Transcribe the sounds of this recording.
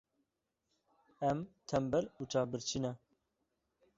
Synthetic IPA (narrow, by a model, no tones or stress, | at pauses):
ɛmt̪ʰɛmbɛluːt͡ʃʰaːbɨɾt͡ʃʰinɛ